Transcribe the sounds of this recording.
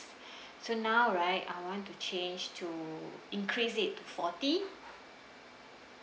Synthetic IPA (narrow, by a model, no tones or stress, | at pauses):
sonawɹaɪta̰jwɔ̃ntut͡ʃẽnd͡ʒtʰuĩŋkʰɹisɪtːufɔti